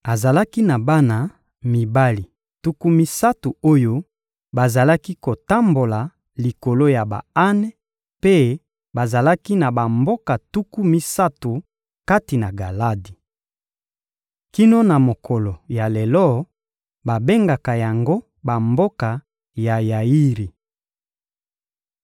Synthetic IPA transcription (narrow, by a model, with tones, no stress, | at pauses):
a˨za˨la˦ki˦na˨ba˦na˨ | mi˨ba˦li˨ | tu˦ku˦mi˦sa˦tu˨o˦jo˦ | ba˨za˨la˦ki˦ko˨ta˦mbo˨la˨ | li˨ko˨lo˦ja˨ba̰˨a˦nɛ˦ | pe˦ | ba˨za˨la˦ki˦na˨ba˨mbo˦ka˨tu˦ku˦mi˦sa˦tu˨ | ka˦ti˨na˨ɡa˨la˦di˨ | ki˦no˦na˨mo˨kʰo˨lo˨ja˨le˨lɔ˦ | ba˨be˦ŋɡa˨ka˨ja˨ŋɡo˦ | ba˨mbo˦ka˨ | ja˨ja˨i˦ʁi˨